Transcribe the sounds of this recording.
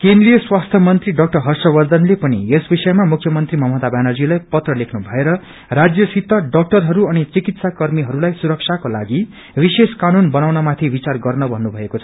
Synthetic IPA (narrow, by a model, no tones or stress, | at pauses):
kẽnd̪ɾijʌswast̪ʰjʌmʌnt̪riɖʌk̚ʈʌrɦʌrsʌbʌrd̪ʌnlepʌnḭesbisʌemamukʰjʌmʌnt̪rimʌmɦʌt̪abjanʌrd͡zilajpʌt̪rʌlekʰnubʱʌeɾʌ | rad͡zjʌsit̪ːʌɖʌk̚ʈʌrɦʌɾuʌnit͡sikit̪sakʌrmiɦʌɾulajsuɾʌksʰakolaɡi | biseskanunbʌnawnʌmat̪ʰibit͡sarɡʌrnʌbʱʌnːubʱʌekot͡sʰʌ̥